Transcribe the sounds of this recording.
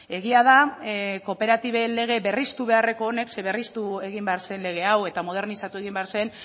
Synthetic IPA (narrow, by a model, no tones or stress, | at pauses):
e̞ɣ̞iað̞ako̞pe̞ɾat̪iβe̞le̞ɣ̞e̞βe̞rist̪uβe̞are̞ko̞ːne̞kse̞βe̞rist̪ue̞ɣ̞imbe̞aɾse̞nle̞ɣ̞e̞awe̞t̪amo̞ð̞e̞ɾnisat̪ue̞ɣ̞imbe̞aɾse̞n